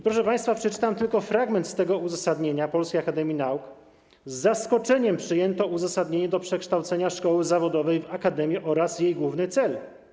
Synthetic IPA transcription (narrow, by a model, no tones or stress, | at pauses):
pɾɔʂɛpaj̃st̪fapʂɛt͡ʂɘ̥t̪amt̪ɘlkɔfɾaɡmɛnt̪st̪ɛɡɔuzasad̪ɲeɲapɔlskʲejakad̪ɛmʲinauk | zːaskɔt͡ʂɛɲɛmpʂɘjɛnt̪ɔuzasad̪ɲeɲɛd̪ɔpʂɛkʂt̪awt̪sɛɲaʂkɔwɘzavɔd̪ɔvɛjvakad̪ɛmʲjiʔɔɾasjejɡwuvnɘt̪sɛl